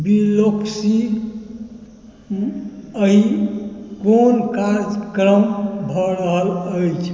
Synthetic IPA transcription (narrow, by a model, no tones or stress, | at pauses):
biloksi | əi | konkaɾd͡ʒkɾəmbʱəɾəɦələjt͡ʃʰ